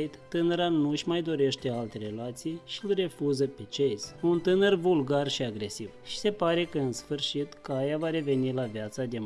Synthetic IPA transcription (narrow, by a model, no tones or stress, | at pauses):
t̪t̪ɨnəɾanuʃʲmajd̪o̞ɾe̞ʃt̪e̞alt̪e̞ɾe̞lat̪sijʃiɨlʲre̞fuzəpe̞t͡ʃe̞zʲunt̪ɨnərvulɡarʃiaɡɾe̞sivʃi̥se̞paɾe̞kəɨnsfɨrʃit̪kajavaɾe̞ve̞nilavjat̪sad̪e̞m